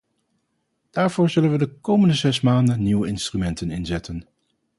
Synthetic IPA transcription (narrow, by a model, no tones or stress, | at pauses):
d̥aːɹv̥ʊːɹzɵlənʋədəkowməndəzɛsmaːndənːiwəɪnstrymɛntənɪnzɛtən